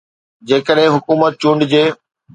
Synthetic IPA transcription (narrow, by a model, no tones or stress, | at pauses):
d͡ʑeːkəɗɦɪ̃ɦʊkuːmət̪̚t͡ɕũɳɖɪd͡ʑeː